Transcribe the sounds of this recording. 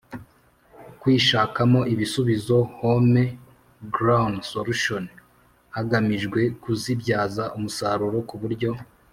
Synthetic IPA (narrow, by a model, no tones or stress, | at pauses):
kwiːʃaːkamo̞ʔiβisuβizo̞home | ɡɾawnsoluʃon | haɡamiʒɡwe̞kuzibɟaːzaʔumusaɾuɾo̞kuβuɾɟo̞